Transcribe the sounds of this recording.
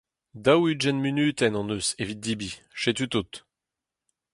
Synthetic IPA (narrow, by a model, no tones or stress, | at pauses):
d̪awyd͡ʒɛnmynyːt̪ɛnɑ̃nøsevit̪̚d̪ibiʃet̪yt̪ut̪